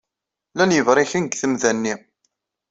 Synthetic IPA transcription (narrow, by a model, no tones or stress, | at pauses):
lænjəvɾˤɪçənɡθəmðænːi